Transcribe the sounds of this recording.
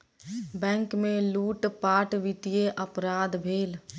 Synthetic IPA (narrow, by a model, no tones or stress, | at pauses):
bɛ̃ːŋkmẽluːʈpaːʈʋɪt̪ijeʔəpɾaːd̪bʱeːl